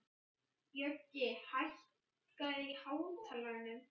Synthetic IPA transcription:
jœtːɪhajɬ | kaðihaːwmt̪ʰalanːʏm

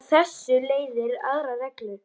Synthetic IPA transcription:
θɛsːʏleːjðɪɾa̰ɣɾavɛklʏ

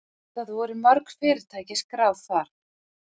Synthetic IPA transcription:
t̪aθuvɛɾʏmœɾkfɪːɾɪɾ̥t̪ʰaːjcɪskɾaːwðθaɾ̥

